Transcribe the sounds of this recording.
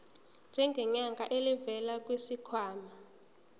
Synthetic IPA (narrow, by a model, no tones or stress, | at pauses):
nd͡ʒʱɛŋɡʱɛɲaŋɡʱaʔelivɛlak̬ʼwisikʰwaːma